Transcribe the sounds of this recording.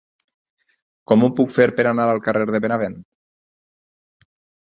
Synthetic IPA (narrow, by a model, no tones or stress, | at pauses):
kɔmupukfeɾpeɾanaɾalˠkareɾðeβenaβent̪